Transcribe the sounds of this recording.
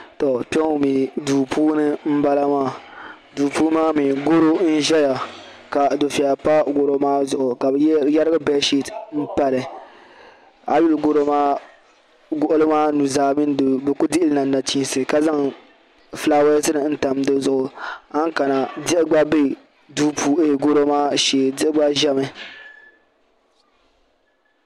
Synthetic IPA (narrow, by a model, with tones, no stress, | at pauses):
tɔ˨pɛ˦ŋ˨mi˨duː˨puː˦nɨ˦m̩˦ba˦la˦maː˦˨ | duː˨puː˦maː˦mi˨ɡo˦ɾo˦n̩˦ʒɛ˦ja˨ | ka˨do˨fi˨a˨pa˦ɡo˨ɾo˨˦maː˦zʊ˨ʔʊ˨ka˨bjɛ˦ɾɪ˦ɡɨ˦bɛ˦ʃi˦tm̩˦pa˦lɨ˨ | a˨ju˦lɡo˦ɾo˦maː˦ | ɡʊ˨ʔʊ˦lɨ˦maː˦nu˨zaː˨mi˦n˦˨bɨ˨ku˦dɪ˦ʔɪ˦lnaː˨˦a˨ti˦n˦sɨ˨ka˨za˦ŋ | flaː˦wɛ˦sɨ˦nɨ˨˦n̩˦ta˨mdɨ˦zʊ˨ʔʊ˨a˦ŋ˦ka˨na˨dɪ˦ʔɪ˦ɡ͡ba˦be˦˨ | duː˦pʰuː˨e˦˨ɡo˦ɾo˦maː˦ʃeː˨dɪ˦ʔɪ˦ɡ͡ba˦ʒɛ˦mɨ˦